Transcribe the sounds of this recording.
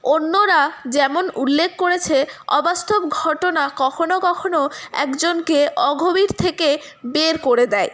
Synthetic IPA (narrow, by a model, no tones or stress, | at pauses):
onːoɾad͡ʑɛmonulːekʰːkoɾet͡ɕʰeɔ̰bast̪ʰobɡʱɔʈonakɔkʰonokɔkʰonoɛ̰kd͡ʑonkeʔɔɡʱobiɾt̪ʰeke | beɾkoɾed̪ɛe